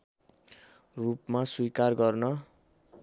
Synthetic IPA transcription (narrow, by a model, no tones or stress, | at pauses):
rupmaswikarɡʌrnʌ